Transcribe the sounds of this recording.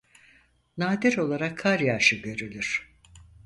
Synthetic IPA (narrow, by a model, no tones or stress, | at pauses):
naːd̪iɾo̞lˠaɾakʰːaɾjaʃɯɟø̞ɾylʲyɾ̥